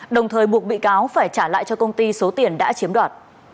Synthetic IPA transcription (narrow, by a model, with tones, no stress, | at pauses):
ɗə˨˩wŋ͡mt̪ʰəː˨˩jɓu˨˩ək̚ɓḭ˧˨kaː˨˦wfaː˧˩jt͡ɕaː˧˩la̰ː˧˨jt͡ɕɔ˧kə˧wŋ͡mt̪i˧so˨˦t̪i˨˩ənɗa̰ː˧˥t͡ɕi˨˦əmɗwaː˨˩t̚